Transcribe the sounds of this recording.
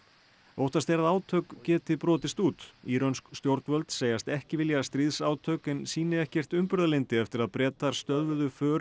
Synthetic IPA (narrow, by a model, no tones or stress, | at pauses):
owht̪ast̪ɛɾaðaːwt̪ʰœɥkcɛːt̪ɪpɾɔːt̪ɪst̪uːt̪iːɾonskst̪jowɾt̪nvœlt̪seːjast̪ɛhcɪvɪljast̪ɾiðsaːwt̪ʰœɥkɪnsiːnɪɛhcɛr̥t̪ʏmpʏɾðalɪnt̪ɪɛft̪ɪɾaðpɾɛːt̪aɾ̥st̪œðvðʏfœː